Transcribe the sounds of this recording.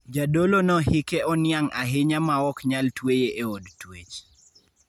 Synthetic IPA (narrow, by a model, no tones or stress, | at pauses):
d͡ʒadolonɔhɪkeɔnɪaŋaɦɪɲamaɔkɲaltwejeʔeodtwet͡ʃ